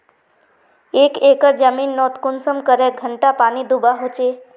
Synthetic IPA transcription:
ekekəɾd͡ʒəminːɔt̪kunsəmkəɾeɡʱəɳʈapanid̪ubaɦot͡ʃe

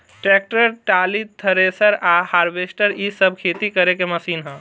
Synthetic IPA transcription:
ʈɾɛːk̚ʈəɾʈaːlit̪ʰːəɾeːsəɾaːhaːɾbeːsʈəɾisəb̚kʰeːt̪ikɐɾekemɐsiːnɦɛ̃ː

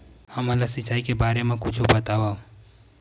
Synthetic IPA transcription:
həmələsit͡ʃaːikebaɾemẽkut͡ʃʰubət̪aba

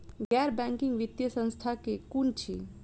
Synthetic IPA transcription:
ɡɛɾbɛ̃ŋkiŋɡʋit̪jəsə̃nst̪ʰakekunt͡ʃʰḭ

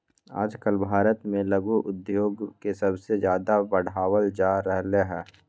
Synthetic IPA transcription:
a̰ːd͡ʒkəlbʱaːɾət̪mẽlɐɡuʔʊd̪joːɡkesɐbsezjaːd̪abəɽ̤aːwəld͡ʒaːɾɛɦleɦɛː

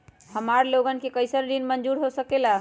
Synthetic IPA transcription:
həmaɾloɡənkekəɪsənɖinmənd͡ʒuɾɦosəkela

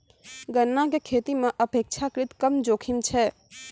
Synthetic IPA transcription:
ɡənːakekʰet̪imeʔəpek̚t͡ʃʰakɾit̪kəmd͡ʒokʰimt͡ʃʰɛ

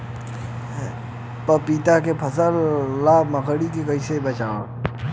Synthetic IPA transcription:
pəpit̪akepʰəsəlːaməkəɽikekəɪsebət͡ʃaː

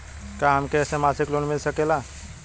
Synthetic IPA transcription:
kamkesẽmasiklonmilsəkela

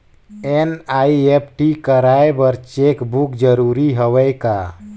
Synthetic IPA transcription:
enajep̚ʰʈikəɾaebəɾt͡ʃekbukd͡ʒəɾuɾiɦɔwəjka̰

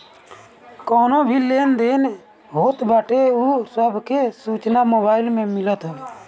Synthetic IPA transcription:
koːnobʱileːnd̪eːn | ɦoːt̪baːʈeuːsəbʱkesuːt͡ʃnamoːbaːɪlmẽmɪlət̪ɦəbe

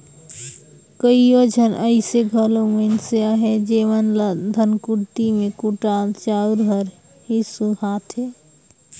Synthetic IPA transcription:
kəijod͡ʒʱənʔəɪseɡʱəlomənseaɦed͡ʒeːʋənd̪ʱənkuɽt̪imẽkuʈat͡ʃauɾɦəɾ | ɦisuhat̪ʰɦe

